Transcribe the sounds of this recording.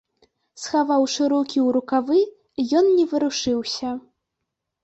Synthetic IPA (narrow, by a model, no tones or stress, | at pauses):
sxavawʂɨɾɔkʲiwɾukavɨ | jɔnnʲɛvɨɾuʂɨwsʲɐ